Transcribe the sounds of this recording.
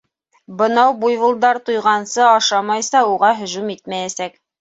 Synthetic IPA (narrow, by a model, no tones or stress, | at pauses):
bɤ̆nɑwbujvŭlˠd̪ɑɾt̪ujʁɑnsɤɑʃɑmɑjsɑuʁɑɦɵ̆ʒumit̪mæjæsæk